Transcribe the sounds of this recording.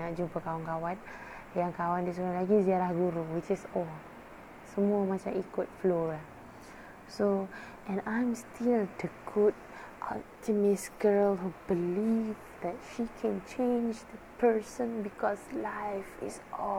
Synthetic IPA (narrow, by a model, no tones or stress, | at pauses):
ad͡ʒumpəkawankawãn | jaŋkawandis̬uɾalaɡisiaɾahɡuɾuwit͡ʃisɔ | səmuəmat͡ʃãmikʊt̚flolah | so | ʔɛ̃nãjmstʰild̪əɡud̚ | ʔɔ̰p̚tʰimɪsɡəlɦubilivd̪ɛt̚ʃikʰɛ̃nt͡ʃẽnd͡ʒd̪əpʰə˞sə̃nbikɔslajfḭsɔ